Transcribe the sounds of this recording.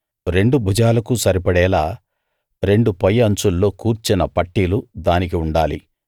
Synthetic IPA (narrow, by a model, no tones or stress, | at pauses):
ɾe̞ɳɖubʱud͡ʒaːlɐkusɐɾipɐɽɛːlaː | ɾe̞ɳɖupɐjːɐɐɲt͡ʃulːo̞ːkuːɾt͡ʃinɐpɐʈːiːlud̪aːnik̬iuɳɖaːlḭ